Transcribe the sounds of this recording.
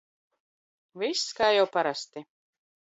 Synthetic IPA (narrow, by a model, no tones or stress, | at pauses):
visːkaːjawpaɾast̪i